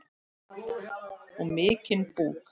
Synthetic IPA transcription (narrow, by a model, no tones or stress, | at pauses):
ɔmɪːcɪnpuːk